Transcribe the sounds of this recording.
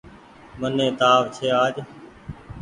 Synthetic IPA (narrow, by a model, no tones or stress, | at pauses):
mənẽːt̪aːʋt͡ʃʰeːaːd͡ʒ